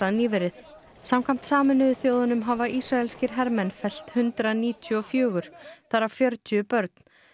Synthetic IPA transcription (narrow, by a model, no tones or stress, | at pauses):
aðniːvɪɾɪθ | samkʰam̥t̪saːmɛnʏðʏθjoːwðanʏmɦavaisɾaɛlscɪɾ̥ɦɛɾmɛnfɛl̥t̪hʏnt̪ɾaniːt̪ʰjʏɔfjœːɣʏɾ̥θaɾafjœɾt̪ʰʏpœɾt̪̚n̥